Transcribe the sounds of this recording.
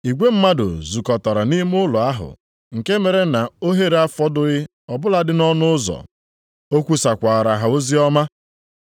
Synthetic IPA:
i˨ɡʷe˦m̩˦ma˦dʊ̰˨zu˨kɔ˨ta˨ɾa˨ni˦m˦ʊ˦lʊ˨a˦ɦʊ̰˨ | ŋ̩˨ke˦me˨ɾe˦na˨o˦ɦe˦ɾa˦fɔ˦dʊ˦ɣɪ˦ | ɔ˨bʊ˦la˨dɪ˦nɔ˦nʊ˦ʊ˦zɔ̰˨ | o˦kʷu˦sa˨kʷa˨ɾa˨ɦa˨o˦zi˦ɔ˦ma˦

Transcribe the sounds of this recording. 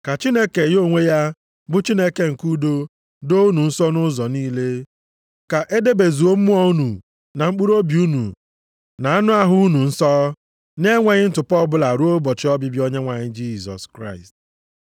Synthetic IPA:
ka˨t͡ʃi˦ne˦ke˨jo˦˨ŋʷe˦ja˦ | bʊ˦t͡ʃi˦ne˦ke˨ŋ̩˨ku˦do˦ | do˦u˦nu˨n̩˦sɔ˦nʊ˦zɔ˨niː˦le˦ | ka˨ʔe˦de˦be˨zu˨o˦m̩˦mʊ˦o˦u˦nu˨ | na˨ŋ͡m̩˦k͡pu˦ɾo˦bi˨u˦nṵ˨ | na˨a˦nʊ˦a˦ɦʊ˦u˦nu˨n̩˦sɔ˦ | ne˦ŋʷe˨ɲɪ˦n̩˦tʊ˨pɔ˦bʊ˦la˨ɾu˦o˦bɔ˨t͡ʃɪ˦ɔ˦bɪ˦bi˦o˦ɲe˦ŋʷa˨ɲɪ˦d͡ʒi˦sɔ̰˨skɾa̰˦˨ɪ˨st̚

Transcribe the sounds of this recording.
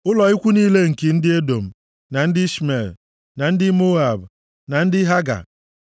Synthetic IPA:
ʊ˦lɔ˨i˦kʷu˦niː˦le˦ŋ̩˨ki˨n̩˦dɪ˦e˦do˨m̩˨ | na˨n̩˦dɪ˦ʃme˨l | na˨n̩˦dɪ˦mo˦a˨b | na˨n̩˦dɪ˦ɦa˦ɡa̰˨

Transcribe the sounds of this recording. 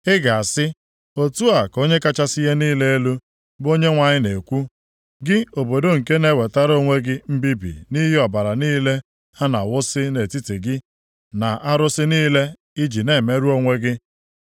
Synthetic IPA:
ɪ˦ɡa˨a˨sɪ˦ | o˦˨tu˦a˨ko˦ɲe˦ka˦t͡ʃa˦sɪ˦je˦niː˦le˦e˦lu˦ | bo˦ɲe˦ŋʷa˨ɲɪ˦ne˨kʷu˦ | ɡɪ˦o˨bo˨do˦ŋ̩˨ke˦ne˦˨we˨ta˦ɾo˦ŋʷe˦ɡɪ˦m̩˦bi˦bḭ˨ni˦ɦi˦ɔ˨ba˨ɾa˨niː˦le˦ | a˦na̰˨wʊ˦sɪ˦ne˨ti˦te˨ɡɪ˦ | na˨ʔa˦ɾʊ˦sɪ˦niː˦le˦ | i˦d͡ʒi˨ne˨˦˨me˦ɾu˦o˦ŋʷe˦ɡɪ˦

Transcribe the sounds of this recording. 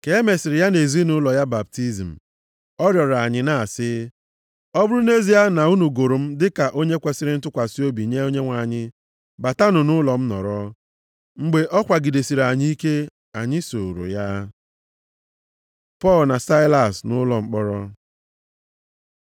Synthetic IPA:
ke˨e˦me˨sɪ˨ɾɪ˨ja˦ne˨zi˦nʊ˦lɔ˨ja˦ba˨b̚ti˦zm̩˨ | ɔ˦ɾjɔ˨ɾa˨ɲɪ˨na˦a˨sɪ˦ | ɔ˦bɾʊ˦ne˦zi˦a˦na˨u˦nu˨ɡo˨ɾu˨m̩˦dɪ˦ka˨ʔo˦ɲe˦kʷe˨sɪ˦ɾɪ˦n̩˦tʊ˦kʷa˨si˦o˦bi˨ɲe˦o˦ɲe˦ŋʷa˨ɲɪ˦ | ba˨ta˦nʊ˨nʊ˦lɔ˨m̩˦nɔ̰˨ɾɔ˦ | ŋ͡m̩˦ɡ͡be˦ʔɔ˦kʷa˨ɡi˨de˨si˨ɾa˨ɲi˦i˦ke˦ | a˨ɲɪ˦so˨ɾo̰˨ja˦ | pɔ˦˨lna˨sa˦ɪ˦la˨snʊ˦lɔ˨ŋ͡m̩˦k͡pɔ˦ɾɔ˦

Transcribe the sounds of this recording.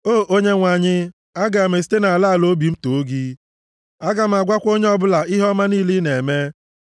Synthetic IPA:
oː˦˨ʔo˦ɲe˦ŋʷa˨ɲɪ˦ | a˦ɡa˨me˨s̬i̥˦te˦na˨laː˦˨lo˦bi˨m̩˦to˨˦ɡi˦ | a˦ɡa˨m̩˨a˨ɡʷa˦kʷo˦ɲe˦ɔ˦bʊ˦la˨ɪ˦ɦɔ˦ma˦ni˦li˦ne˨me˦

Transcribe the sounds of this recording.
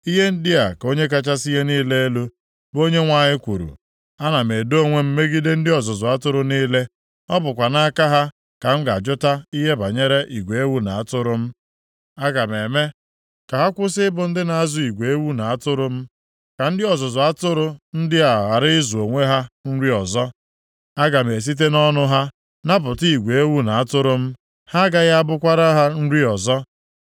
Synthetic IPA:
i˦ɦe˦n̩˦dɪ˦a˨ko˦ɲe˦k̬a˦t͡ʃa˦si˦ɦe˦niː˦le˦lu˦ | bo˦ɲe˦ŋʷa˨ɲɪ˦kʷu˨ɾṵ˨ | a˦na˨me˨do˦˨ŋʷe˦m̩˦me˦ɡɪ˦dɪ˦n̩˦dɪ˦ɔ˨zʊ˨zʊ˨a˦tʊ˦ɾʊ˦niː˦le˦ | ɔ˦bʊ˨kʷa˨na˦ka˦ɦa˦ | ka˨m̩˦ɡa˨d͡ʒʊ˦ta˦i˦ɦe˦ba˨ɲe˦ɾe˦ʔi˨ɡʷe˨e˦wu˦na˨a˦tʊ˦ɾʊ˦m̩˦ | a˦ɡa˨me˨me˦ | ka˨ɦa˦kʷʊ˦s̬ɪ˦bʊ˨n̩˦dɪ˦na˨a˦zʊ˨i˨ɡʷe˨e˦wu˦na˨a˦tʊ˦ɾʊ˦m̩˦ | ka˨n̩˦dɪ˦ɔ˨zʊ˨zʊ˨a˦tʊ˦ɾʊ˦n̩˦dɪ˦a˨ɣa˨ɾɪ˦ɪ˦zʊ˨o˨ŋʷe˦ɦa˦n̩˦ɾi˦ɔ˨zɔ˦ | a˦ɡa˨m̩˨e˨s̬i˦t̬e˦nɔ˦nʊ˦ɦa˦ | na˦p̬ʊ˨ti˦i˨ɡʷe˨e˦wu˦na˨a˦tʊ˦ɾʊ˦m̩˦ | ha˦ɡa˨ɣa˦a˦bʊ˦kʷa˦ɾa˦ɦa˦n̩˦ɾi˦ɔ˨zɔ˦

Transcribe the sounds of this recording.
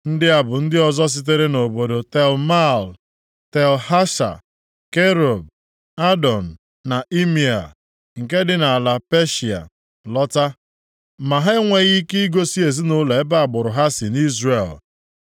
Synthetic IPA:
n̩˦dɪ˦a˨bʊ˨n̩˦dɪ˦ɔ˨zɔ˦s̬ɪ˦t̬e˦ɾe˦no˨bo˨do˨te˨lma˦˨l | te˨lha˦ʃa̰˨ | ke˦ɾo˨b̚ | a˦dɔ˨n̩˨ | na˨ʔi˦mi˨a̰˨ | ŋ̩˨ke˦dɪ˦na˨la˨pe˦ʃi˨a̰˨ | lɔ˦ta˦ | ma˨ɦe˦ŋʷe˦ɣi˦ki˦i˦ɡo˦si˦e˨zi˦nʊ˦le˨e˦ba˦a˨ɡ͡bʊ˨ɾʊ˨ɦa˦sɪ˨ni˦zre˨l

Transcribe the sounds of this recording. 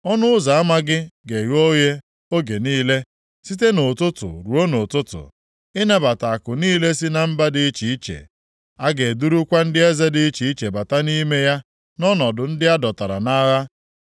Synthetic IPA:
ɔ˦nʊ˦ʊ˦za˨a˦ma˦ɡɪ˦ɡe˨ɣo˦je˦ | o˦ɡe˨niː˦le˦ | si˦te˦noʊ˨tʊ˦tʊ̰˨ɾu˨o˦nʊ˨tʊ˦tʊ̰˨ | ɪ˦ne˦ba˨ta˨a˨kʊ˨niː˦le˦si˦na˨m̩˦ba˦di˦t͡ʃi˨i˦t͡ʃḛ˨ | a˦ɡe˨du˦ɾu˦kʷa˦n̩˦dɪ˦e˦ze˦dɪ˦t͡ʃi˨i˦t͡ʃe˨ba˨ta˦ni˦me˦ja˦ | nɔ˦nɔ˨dʊ˨n̩˦dɪ˦a˦dɔ˨ta˨ɾa̰˨na˦ɣa˦

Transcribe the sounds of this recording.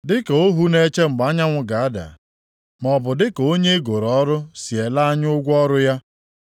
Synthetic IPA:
dɪ˦ko˦ɦu˦ne˦t͡ʃe˦ŋ͡m̩˨ɡ͡ba˨˦ɲa˦ŋʷʊ˦ɡa˨a˦da̰˨ | mɔ˨bʊ˨dɪ˦ko˦ɲe˦ɡo˨ɾɔ˦ɾʊ˦si˨e˨la˦a˦ɲʊ˦ɡʷɔ˦ɾʊ˦ja˦

